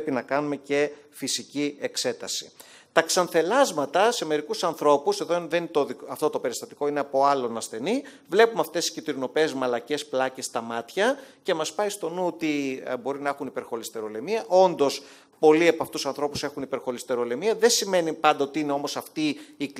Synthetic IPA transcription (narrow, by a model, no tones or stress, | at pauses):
pinɐkɐnume̞ce̞ | fisicie̞kse̞t̪ɐsi̥̰ | t̪ɐksɐnθe̞lɐzmɐt̪ɐse̞me̞ɾikusɐnθɾo̞puse̞ðo̞nðent̪oðiɐft̪o̞t̪o̞pe̞ɾist̪ɐt̪i̥ko̞ineɐpo̞ɐlo̞nɐsθe̞ni | vle̞pumɐft̪e̞siscit̪ɾino̞pezmɐlɐce̞splɐce̞st̪ɐmɐt̪çɐce̞mɐspɐist̪o̞nut̪ibo̞ɾinɐe̞xunipe̞ɾxo̞list̪e̞ɾo̞lemiɐʔo̞nd̪o̞s | po̞liepɐft̪usɐnθɾo̞pu̥se̞xunipe̞ɾxo̞list̪e̞ɾo̞le̞miɐðensime̞nipɐnd̪ɐot̪iine̞o̞mo̞sɐft̪iːk